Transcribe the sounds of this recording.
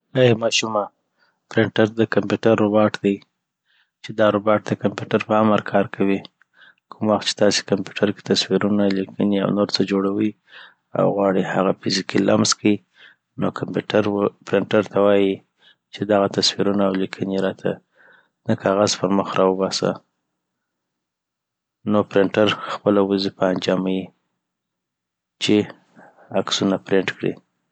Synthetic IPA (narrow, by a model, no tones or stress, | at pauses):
ajemɑʃuma | pɾɪɳʈaɾd̪əkampjuʈaɾːobɑʈd̪aj | t͡ʃed̪ɑɾobɑʈ̚d̪əkampjuʈaɾpəaməɾkʰɑɾkʰawi | kʰʊmwaxt̪̚t͡ʃe̥t̪ɑse̥kampjuʈʰaɾke̥t̪aswiɾunalikʰənia̰wnoɾt͡səd͡ʒoɽawi | a̰wɣwɑɽihaɣafɪzikilamzkai | nokampʈaɾpɾɪɳʈaɾt̪ʰawɑji | t͡ʃed̪aɣat̪aswiɾunaːwlikʰəniɾɑt̪ʰa | nakʰɑɣazpəɾməxɾɑwəbɑsa̰ | nopɾɪɳʈaɾxpəlawəzipəand͡ʒɑmaji | t͡ʃe | aksunapɾɪɳʈkɽḭ